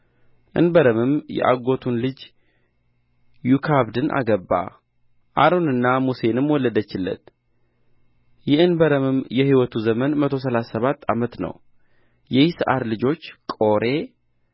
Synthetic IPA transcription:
ʔɨ̰nbəɾəmɨmjɛ̰ʔa̰ɡo̞t̪ʰunlɨd͡ʒ | jukʰaβd̪ɨnʔa̰ɡəbːa̰ | ʔaɾonɨnːamuse̞nɨmwɔlːəd̪ət͡ʃːɪlːə̰t̪ | jɛɨnbəɾəmɨmjɛhiwɔt̪ʰuzəmənmət̪ʰo̞s̬əlasːəβat̪ʰːamət̪nə̰w | jɛjisɨʔaɾlɨd͡ʒo̞t͡ʃːkʼo̞ɾe̞

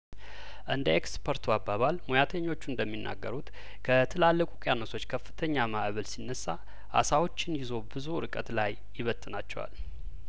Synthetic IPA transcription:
ʔɨnd̪əekspʰəɾt̪ʰuabːaβalmojat̪ʰəɲːo̞t͡ʃːund̪əmːinːa̰ɡːəɾut̪ | kʰət̪ʰɨlalːəkʼukʼjanosʰo̞t͡ʃːkʰəfːɨ̥t̪ʰəɲːamaʔβəlsinːəsːa | ʔa̰sawo̞t͡ʃːɪnjɪzo̞bɨzuɾɨkʼət̪lajːɪβət̪ʼːɨnat͡ʃːɛ̰wa̰l

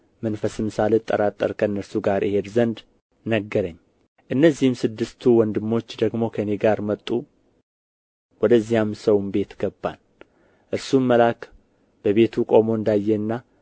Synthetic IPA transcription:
mənfəsɨmɨsalɨt̪ʼːə̰ɾat̪ʼːəɾkʰənːəɾsuɡaɾʔihe̞d̪zənd̪ | nəɡːəɾəɲː | ʔɨnːəzːihɨmsɨd̪ːɨst̪ʰuwɔnd̪ɨmːo̞t͡ʃːd̪əɡmo̞kʰəneɡaɾmət̪ʼːu | wɔd̪əzːijamsəwmbe̞t̪ɡ̥əbːa̰n | ʔɨɾsumːəlak | b̥əβe̞t̪ʰukʼo̞mo̞ɨnd̪ajːɛɨnːa

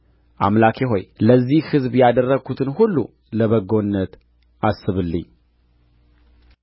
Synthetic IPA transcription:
ʔa̰mlakʰeɦo̞jləzːihhɨzbjad̪ərːəɡut̪ʰɨnhulːṵ | ləβəɡonːət̪ | ʔasːɨβɨlːɨ̰ɲː

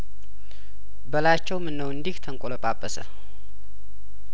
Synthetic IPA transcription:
bəlat͡ʃːɛwmɨnːəwɨnd̪iht̪ʰəŋkʼoləpʼapʼːəsə̰

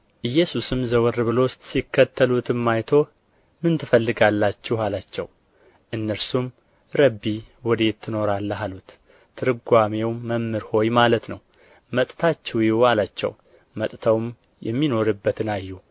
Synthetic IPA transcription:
ʔɨjːɛsusɨmzəwɾβɨlo̞sikːət̪ːəlut̪ɨmːajt̪ʰo̞ | mɨnt̪ʰɨfəlːɨɡalːat͡ʃːɛhalat͡ʃːɛ̰w | ʔɨnːəɾsum | ɾəbːiwɔd̪e̞t̪ʰːɨno̞ɾalːəɦalut̪ | t̪ʰːɨɾɨɡʷame̞wːəmːɨɾho̞jmalət̪nəw | mət̪ʼt̪ʰat͡ʃːɛwjwalat͡ʃːɛ̰w | mət̪ʼt̪ʰəwm | jɛ̰mːino̞ɾɨbːət̪ɨnajːu

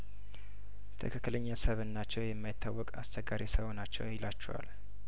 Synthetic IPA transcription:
t̪ʰəkʰɨkːɨləɲːasəβɨnːat͡ʃːɛwjɛmːajit̪ʰːawːɔkʼa̰st͡ʃɛɡːaɾisəβonat͡ʃːɛ̰wjɪlat͡ʃːɛwa̰l

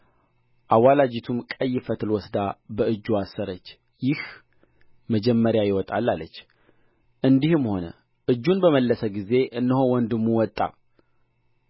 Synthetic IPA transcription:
ʔawalad͡ʒit̪ʰumkʼəjːɪfət̪ʰɨlwɔsd̪abəɨd͡ʒːuasːəɾət͡ʃː | jɪh | məd͡ʒɛmːəɾjajɪwɔt̪ʼa̰lːalːət͡ʃː | ʔɨnd̪ihɨmho̞nə̰ | ʔɨd͡ʒːunbəməlːəsəɡize̞ʔɨnːəhowɔnd̪ɨmːuwɔt̪ʼːa̰

